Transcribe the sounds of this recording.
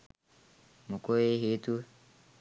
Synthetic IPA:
mukoeɦet̪u

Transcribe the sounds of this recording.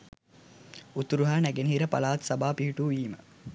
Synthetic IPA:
ut̪uɾuɦaːnæɡeniɦiɾəpa̰laːt̪sɐbaːpiɦiʈuːiːmə̰

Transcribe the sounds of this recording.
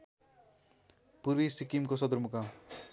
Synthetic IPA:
puɾbisikimkosʌd̪uɾmuka

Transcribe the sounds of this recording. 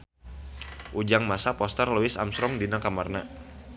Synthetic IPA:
ʔud͡ʒaŋmasapɔst̪ərluɪsa̰msɾɔŋdinakamarna

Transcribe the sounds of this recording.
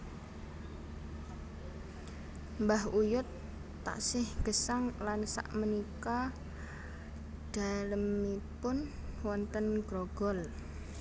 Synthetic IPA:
mbahujʊt̪ː | a̰ʔsɪhɡ̥əsaŋlansa̰ʔmənika | d̥aləmːipʊn | wɔnt̪ənɡ̥ɾoɡ̥ɔl

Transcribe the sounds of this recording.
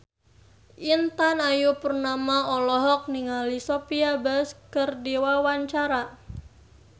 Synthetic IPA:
ʔint̪anajupərnamaɔlɔɦɔk̚niŋalisopiabəskərdewawaɲt͡ʃaɾa

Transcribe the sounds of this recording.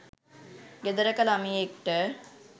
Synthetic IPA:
ɡed̪əɾəkəlamiekʈə

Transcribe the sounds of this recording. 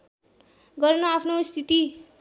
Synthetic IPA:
ɡʌrnʌapʰnost̪ʰit̪i

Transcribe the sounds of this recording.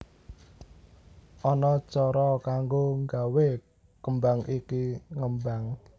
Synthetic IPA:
ʔɔnɔt͡ʃɔɾɔkaŋɡoŋɡawe | kəmbaŋikiŋəmbaŋ

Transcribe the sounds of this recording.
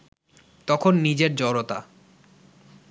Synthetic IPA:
t̪ɔkʰonːid͡ʑeɾd͡ʑɔɾot̪a̰

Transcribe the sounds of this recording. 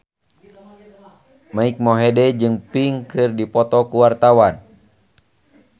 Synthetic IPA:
maik̚mɔɦɛdɛd͡ʒɨŋpiŋkɨrdipɔt̪ɔkuwart̪awan

